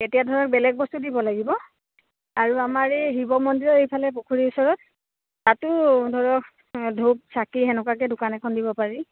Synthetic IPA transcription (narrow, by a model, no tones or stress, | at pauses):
etijadʱɔɹɔk̚bɛlɛk̚bɔstudibɔlaɡibɔ | aɹuamaɹeɦibɔmɔndiɹɔɹejpʰalɛp̬okʰuɹiʊsɔɹɔt̚ː | atʊdʱɔɹɔk̚ | dʱup̚sakiɦɛnʊkak̬ɛdʊkanɛkʰɔndibɔpaɹi